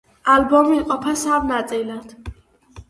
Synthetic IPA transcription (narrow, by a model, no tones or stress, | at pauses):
albɔmiːqʼɔpʰasamnat̪sʼilad̪̥